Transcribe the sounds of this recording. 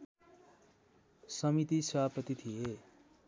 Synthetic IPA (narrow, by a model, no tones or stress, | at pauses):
sʌmit̪isʌapʌt̪it̪ʰije